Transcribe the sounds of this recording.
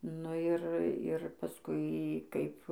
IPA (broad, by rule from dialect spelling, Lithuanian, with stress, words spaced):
nʊ ˈɪr ɪr pɐˈskʊɪ ˈkɐɪp